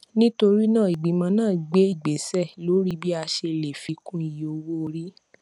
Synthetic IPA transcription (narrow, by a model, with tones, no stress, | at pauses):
nĩ˦to˧ɾi˦nãː˦˨i˨ɡ͡bi˨˦mã˧nãː˦˨i˨ɡ͡be˨˦i˦˨ɡ͡be˨sɛ˦˨lo˨˦ɾi˦bi˦a˧ʃe˧le˨fi˧˦kũ˦i˦˨jo˧wo˦˧ɾi˦